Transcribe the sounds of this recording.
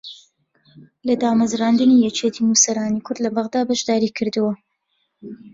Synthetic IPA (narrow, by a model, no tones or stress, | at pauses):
lɐd̪aːmɐzraːnd̪ɨnijɛt͡ʃet̪ʰinusɐɾaːnikʰʊɾd̪lɐbɐɣd̪aːbɐʃd̪aːɾiːkʰɨɾd̪ɨwɐ